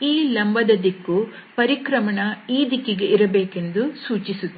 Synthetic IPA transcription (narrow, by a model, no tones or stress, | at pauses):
iːlɐmbɐd̪ɐd̪ikːu | pɐɾikɾɐmɐɳɐiːd̪ikiɡeʔiɾɐbeːke̞nd̪usuːt͡ʃisut̪ː